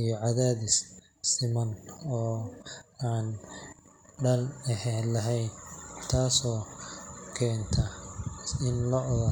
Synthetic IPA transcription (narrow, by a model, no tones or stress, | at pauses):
ijɔʕɑðaːðɪs | sɪmɐnɔː | aːn | ɖɐlɛɦɛlɐɦɛjnt̪ʰaːsɔː | kʰɛːnt̪ʰɐ | ɪnlɔʕðɐ